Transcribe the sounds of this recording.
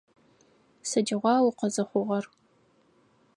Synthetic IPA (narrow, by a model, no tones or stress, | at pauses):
sɐd͡ʒɪʁʷɑːwʊqɐzɐχʷʊʁɐr